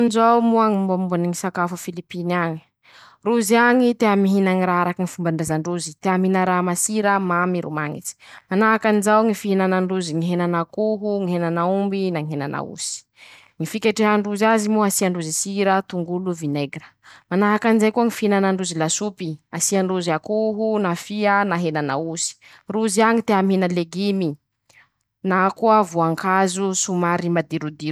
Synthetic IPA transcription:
nd͡ʒawmuaŋimbabuniŋisakafufilipiniaɲi̥ | ruziaɲit̪eɦamiɦinaŋiɾaaɾakiŋifumbaɳɖ͡ʐezaɳɖ͡ʐuzit̪eaminaɾaɦmasiɾəmamiɾṵmaŋḭt͡si̥manaɦakanizawŋifiɦinanaɳɖ͡ʐuziŋiɦenanakuɦuŋiɦenanaumbinaŋiɦena̰na̰ṵsi̥ | ŋifikʲeʈ͡ʂeɦaɳɖ͡ʐuzazimuasiaɳɖ͡ʐuzisiɾət̪uŋɡuluvineɡrəmanaɦakanizajkuəŋifiinanaɳɖ͡ʐuzilasupiasiaɳɖ͡ʐuziakuɦunafiənaɦenanausi̥ | ruziaɲit̪eaminəleɡimi | nakuəvuaŋkʰazusumaɾimad̪iɾud̪iɾu̥

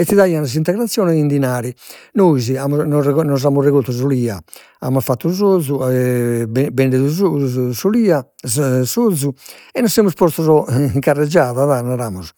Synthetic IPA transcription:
ɛt̪ːiðaiːanaz̬int̪ɛɣɾat̪sːjɔːnɛðind̪inaːɾinoːiziamunɔnɔz̬amurɛɣolt̪ːuzuliːa | a̰mːafat̪ːuzod̪zːu | bɛɳɖeðuzusuliːa | sod̪zːuɛnːɔsːemuspɔst̪uzɔŋkarːɛd͡ʒːaːðaðanaɾaːmuz

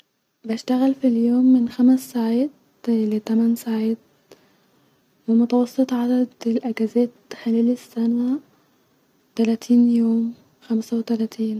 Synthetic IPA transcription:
baʃt̪aɣalfiljoːmːɪnxamsːaːʕaːt̪̚ | lɪt̪amansaʕiːd̪̚ | wɪmʊt̪awɑsˤːɨt̪ˤʕad̪ad̪ɪlʔaɡazeːt̪xɪleːlɪsːana | t̪alat̪ʰiːnjoːm | xamsawɪt̪alaːt̪ʰiːn

